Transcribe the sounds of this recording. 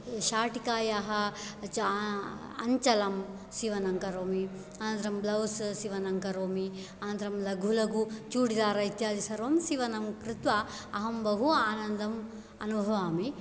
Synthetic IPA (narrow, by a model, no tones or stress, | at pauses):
ʃaːʈikaːjaːɦɐt͡ʃ | ɐ̰ɲt͡ʃɐlɐm | siʋɐnɐŋkɐɾoːmi | ɐnɐnt̪ɾɐmblɐwsʃiʋɐnɐŋkɐɾoːmi | ɐnnt̪ɾɐmlɐɡʱulɐɡut͡ʃuːɽid̪aːɾɐit̪jaːd̪isɐɾʋɐmsiʋɐnɐmkɾɪt̪ʋa | ɐɦɐmbɐɦuaːnɐnd̪ɐm | ɐnubʱɐʋaːmi